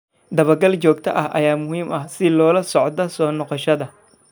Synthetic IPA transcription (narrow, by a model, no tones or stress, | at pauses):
d̪ɐβɐrɡɐlt͡ʃɔːɡ̚t̪ʰɐ̰ʔɐhʔɐjaːmʊɦiːmʔɐhsɪlɔːlɐsɔʕd̪ɐsɔːnɔqɔʃɐðɐ